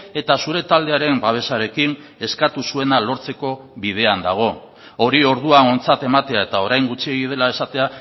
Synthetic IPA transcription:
e̞t̪asuɾe̞t̪ald̪e̞aɾe̞mbaβ̞e̞saɾe̞kin | e̞skat̪usue̞nalo̞ɾt͡se̞ko̞ | βiðe̞and̪aɣ̞o̞ | o̞ɾio̞ɾð̞uaŋo̞nt͡sat̪e̞mat̪e̞ae̞t̪ao̞ɾajŋɡut͡ʃie̞ɣið̞e̞lae̞sat̪e̞a

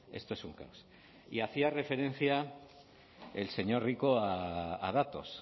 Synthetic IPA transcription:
e̞̰st̪o̞e̞suŋka̰os | ḭaθiare̞fe̞ɾe̞n̟θja | ḛlse̞ɲo̞ɾrikoaa̰ð̞at̪o̞̰s

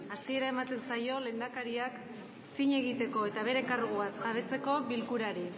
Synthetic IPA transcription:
asie̞ɾae̞mat̪e̞nsajo̞le̞ːnd̪akaɾiak | siɲe̞ɣit̪e̞ko̞e̞t̪aβ̞e̞ɾe̞kaɾɣuβasʝaβ̞e̞t͡se̞ko̞βilkuɾaɾi

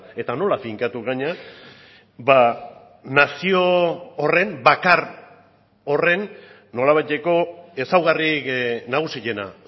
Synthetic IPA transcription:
e̞t̪ano̞lafiŋkat̪uɣaɲa | ba | nasio̞ore̞mbakar | o̞re̞nː | o̞laβajt̪e̞ko̞e̞sawɣariknaɣ̞usiʎe̞na̰

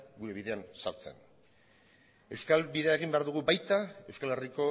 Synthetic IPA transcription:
ɡuɾe̞βiðe̞ansaɾt͡se̞̰n | ewskalbiðe̞ae̞ɣ̞imbe̞aɾðuɣ̞ubajt̪ae̞wskale̞riko̞

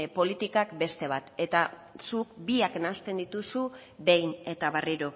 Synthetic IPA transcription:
po̞lit̪ikakbe̞st̪e̞β̞at̪e̞t̪a | sukbiakenast̪e̞nd̪it̪usu | βe̞jne̞t̪aβariɾo̞

